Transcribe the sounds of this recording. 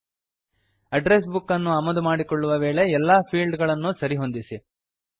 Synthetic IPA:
ɐɖɾes̬bukːɐnːuɐmɐd̪umaːɽikoɭːuʋɐʋe̞ːɭe̞ɛlːaːpʰiːlɖɡɐɭɐnːusɐɾiɦo̞nd̪isi

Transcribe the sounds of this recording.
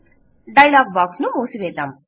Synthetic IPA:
ɖɐjlaːɡ̚baːksnumoːsiʋɛːd̪aːm

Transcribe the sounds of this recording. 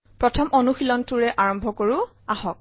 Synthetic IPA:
pɹɔtʰɔmʔɔnuxilɔntuɹɛʔaɹɔmbʱɔkoɹu | aɦɔk̚

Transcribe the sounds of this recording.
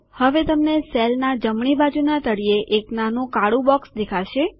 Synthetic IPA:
həʋet̪əmneselnad͡ʒəmɳibad͡ʒunat̪əɽieʔeknanũkaɽũbɔksd̪ekʰaʃe

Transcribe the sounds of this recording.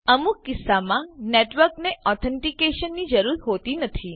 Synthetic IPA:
əmukːɪsːamãneʈʋəɾkneʔɔt̪ʰɛɳʈikeʃənːid͡ʒəɾuɾɦot̪inət̪ʰi

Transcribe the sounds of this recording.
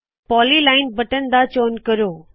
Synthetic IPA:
pɔːlilaːɪnbɐʈənd̪at͡ɕoːnkəɾoː

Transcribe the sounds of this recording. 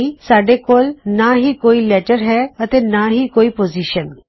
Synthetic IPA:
isaːɖeːkoːlnaɦiːkoːiːlɛːʈəɾɦɛːət̪eːnaːɦiːkoːiːpoːziːʃən

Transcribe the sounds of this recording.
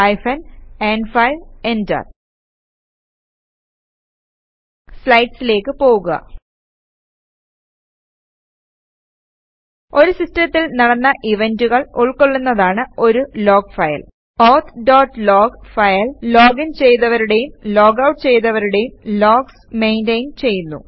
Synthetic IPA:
ɐjfɐneːnfɐjʋenda̰ːr | slɐjʈsile̞ːkːɨpo̞ːɣuɣɐ̰ | o̞ɾusistɐt̪ːilnɐɽɐnːɐʔiʋenduɣɐɭuɭkoɭːunːɐðaːɳɨo̞ɾulo̞ːɡfɐjɐ̰l | oːt̪ʰɖoːʈːloːɡfɐjɐllo̞ːɡint͡ɕe̞jt̪ːɐʋɐɾuɽe̞jumloːɡɐwʈːt͡ɕe̞jnɐʋɐɾuɽe̞jumlo̞ːɡs | me̞jndɐjunt͡ɕe̞jːunːṵ

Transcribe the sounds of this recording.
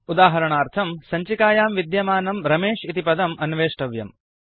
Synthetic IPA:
ud̪aːɦɐɾɐɳaːɾt̪ʰɐmsɐɲt͡ʃikaːjaːmʋid̪jɐmaːnɐmɾɐmeːʂit̪ipɐd̪ɐmɐnʋeːʂʈɐʋjɐ̰m

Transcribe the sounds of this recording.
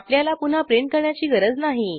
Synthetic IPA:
pljalapun̤apɾeɳʈ̚kəɾɳjat͡ɕiːɡəɾəd͡znaɦi

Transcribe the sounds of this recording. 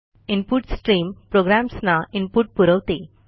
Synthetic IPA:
impuʈsʈɾiːmpɾoɡɾamsnaimpuʈ̚puɾəʋt̪e

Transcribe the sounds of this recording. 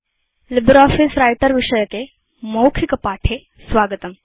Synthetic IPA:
libɾɔːfisɾajʈəɾʋiʂəjəke | mowkʰikəpaːʈʰe | sʋaɡət̪əm

